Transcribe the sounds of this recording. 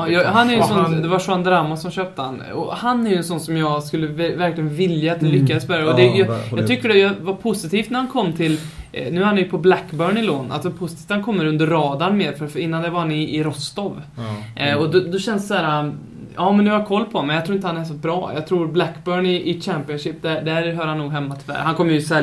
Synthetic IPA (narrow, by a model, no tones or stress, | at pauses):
jɑhanæɾjʉɛsɔnd̪ɛvaʂʊand̪ɾamːʊsɔmɕøːp̚t̪əhan | ɔ̰hanːæɾjʉɛnsɔnːsɔmjɑːɡskɵlːəvvæɾklɪɡənvɪljaːt̪̚d̪ɛlʏkːad̪əsbɛɾaɔd̪ɛjjɑt̪ʰʏkːəɖɛjɑvaɾpʰʊsɪt̪ʰiːft̪næɾhankʰɔmːt̪ʰɪlnʉ̟ːahanjpʰɔblækːbœːɳɪloːna̰t̪vaɾpʰʊsɪt̪ʰiːft̪hankʰɔmːəɾɵnd̪əɾːɑːd̪anmeːɾfœɾɪnːand̪ɛvaɾhanɪːɾɔst̪ɔv | ɔd̪ɔd̪ɔɕɛnssæːɾa | ɑːmɛnʉhaɾjakʰɔlːpʰɔmɛnjɑt̪ʰɾuːɪnt̪əhanɛɾs̬ɔt̪̚bɾɑːjɑ̰ɡt̪ʰɾuːɾblækːbœːɳɪʔɪt͡ʃæmpɪənʂɪp̚ːd̪æd̪æɾɦœːɾhanːuːɡɦɛmːat̪ʰɪvæ̰ːɾhankʰɔmːəjɵsɛ